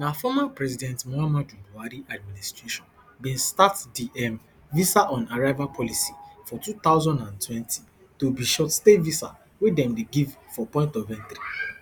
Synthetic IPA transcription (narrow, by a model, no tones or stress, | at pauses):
nafɔmapɹɛzidɛ̃ntmɔamad͡ʒũbuaɾiʔad̚ministɹeʃɔ̃n | bĩnstatdiʔɛm | visaʔɔ̃naɹaɪvapʰɔlisifɔtut̪aʊzɔ̃ndãntwɛ̃ntʰi̥ | tobiʃɔtstevisa̰ | wedɛ̃mdeɡiv | fɔpɔ̃ɪ̃ntɔvɛ̃ntɾi